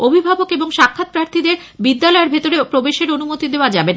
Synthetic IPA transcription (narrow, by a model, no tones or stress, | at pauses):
obʱibʱabokeboŋʃakʰːat̪̚pɾaɾt̪ʰid̪eɾ | bid̪ːalɔeɾbʱet̪oɾepɾobeʃeɾonumot̪id̪eoad͡ʑabena